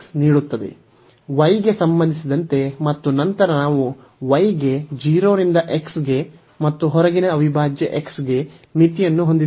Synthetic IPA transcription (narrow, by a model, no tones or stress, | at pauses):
niːɽut̪ːɐd̪e̞̰ | ʋɐjɡe̞sɐmbɐnd̪isid̪ɐnt̪e̞mɐt̪ːunɐnt̪ɐɾɐnaːʋu | ʋɐjɡe̞d͡ʒiːɾoːɾind̪ɐʔe̞ksɡe̞ | mɐt̪ːuɦɔɾɐɡinɐːʋibʱaːd͡ʒjɐʔe̞ksɡe̞ | mit̪ijɐnːuɦond̪i